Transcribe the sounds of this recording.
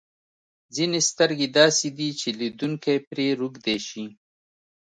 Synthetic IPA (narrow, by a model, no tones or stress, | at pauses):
zinest̪əɾɡed̪ɑːsid̪it͡ʃelid̪uŋkajpɾeɾuɡd̪eʃi